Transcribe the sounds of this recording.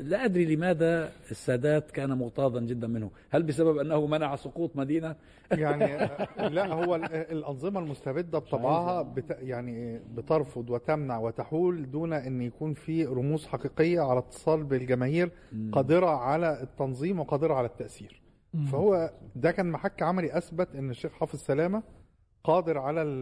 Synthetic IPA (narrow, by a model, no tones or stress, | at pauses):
læʔæd̪ɾilemæːd̪æesːæːd̪æːt̪kæːnæmʊɣt̪ɑːd̪ˤɑnɡed̪ːænmenhʊ | hælbes̬æbæbʔænːæhʊmænaʕsoquːt̪ˤmæd̪iːnæ | jaʕnlæʔhowːæelʔɑnzˤɨmɑlmost̪æbed̪ːæb̚t̪ˤːɑbʕɑːɦɑbt̪jaʕnibet̪ɑɾˤfod̪ˤwet̪æmnaʕwet̪aħuːld̪uːnæʔenːjækuːnfiːɾˤomuːsħɑqiːqejːæʕalæt̪ʰːe̥sˤɑːlbelɡæmæːhiːɾ | qɑːd̪eɾɑʕalæʔt̪ːɑnzˤiːmweqɑːd̪eɾˤɑʕalæt̪ːæʔsiːɾ | fæhowːæd̪ækæːnmaħakːʕamæliʔæsbæt̪ʔenːeʃːeːxħɑːfezsælæːmæ | qɑːd̪eɾʕalæ